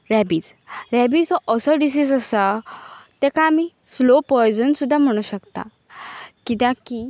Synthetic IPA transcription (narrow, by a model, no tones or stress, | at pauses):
ɾæbiːt͡sɾæbit͡sɔʔəsəɖis̬isəsat̪ɛ̃kami | slopɔjd͡zənsud̪ʱːam̤əɽ̃uɕəkt̪a̰ | kit̪ãki